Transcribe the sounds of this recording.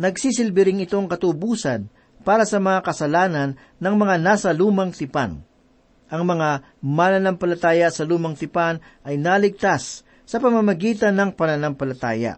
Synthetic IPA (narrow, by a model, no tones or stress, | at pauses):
nɐɡsisɪlbɪɾɪŋɪt̪o̞ŋkɐt̪ʊbuːsɐn | paːɾɐsɐmɐŋakɐsɐlaːnɐnːɐŋmɐŋanaːsɐluːmɐŋt̪ɪpa̰n | ʔɐŋmɐŋa | manɐnampɐlɐt̪aːjɐsɐluːmɐŋt̪ɪpanʔɐjnalɪɡ̚t̪asː | ɐpɐmɐmɐɡiːt̪ɐnːɐŋpɐnɐnampɐlɐt̪a̰ːjɐ̰ʔ